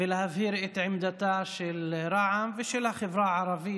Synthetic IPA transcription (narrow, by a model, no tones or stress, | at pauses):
ɪlhavhiːɾʔɪt̪ʕɪmd̪at̪aʃɪlɾˤɑʕamvɪʃɪlhaxɪvɾɑʕɑɾˤɑbɪː